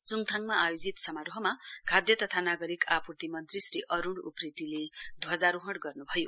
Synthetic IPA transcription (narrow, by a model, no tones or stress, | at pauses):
t͡suŋt̪ʰaŋmaʔajod͡zit̪sʌmaɾoɦʌmakʰad̪jʌt̪ʌt̪ʰanaɡʌɾikapurt̪imʌnt̪risriʔʌɾuɳɽuprit̪iled̪ʱwʌd͡zaɾuɦʌɽɡʌrnubʱʌjo